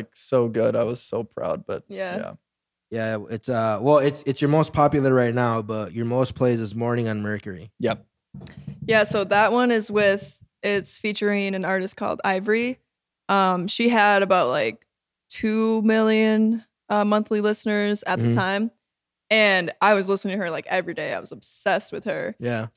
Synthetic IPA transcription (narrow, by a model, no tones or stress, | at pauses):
ɪksoʊɡʊɾaɪwʌz̥soʊpʰɹ̥a̰ʊd̚b̥ʌ̰t̚jææ̰ | jæɪtsʌwɛlˠɪtsɨtsjə˞moʊspʰɑpjl̩ˠə˞ɹaɪtⁿnaʊbʌt͡ʃə˞moʊspʰl̥eɪzɨzmɔɹnɪ̃ŋɨ̃nmɜ˞kə˞ḭjɛp̚ | jæsoʊðət̚wʌ̃nɨzwɪð | ɪtsfit͡ʃə˞ɪ̃ŋɨ̃nɑɹɾɨst̚kʰɔ̰lˠda̰ɪvə˞i | ʔʌ̃mʃiəɾɨbaʊt̚ˡlaɪk̚ | tʰʉmɪlˠjɨ̃n | ʌmʌ̃nθlilɪsnə˞zɨt̪̚ðɨtʰãɪ̃m | ɨ̃naɪwʌzlɪsnɪ̃ŋtʰɨə˞laɪkɛvɹideɪa̰ɪwʌzəb̥sɛst̚wɨð̥ə˞jæ